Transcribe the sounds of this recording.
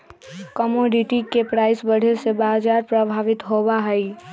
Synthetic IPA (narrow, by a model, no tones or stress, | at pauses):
kəmoːɖɪʈikepɾaːɪsbəɽ̤esebaːd͡ʒaːɾpɾɐbʱaːʋɪt̪ɦobaɦɐi